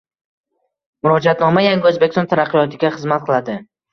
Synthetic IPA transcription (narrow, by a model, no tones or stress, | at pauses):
mʊɾɒd͡ʒat̪nɒmajaŋɡʲɪɵzbekʲɪsɔnt̪ʰaɾaqːɨjɒt̪ʰɪɡʲaχɨzmat̪̚qʰɨlˠad̪ɪ